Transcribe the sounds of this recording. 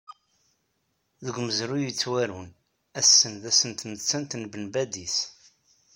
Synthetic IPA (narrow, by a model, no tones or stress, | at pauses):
ðəɡʷməzɾujit͡sːwæɾun | æsːənðæsənt̪nət͡sːænt̪nbənbæd̪iθ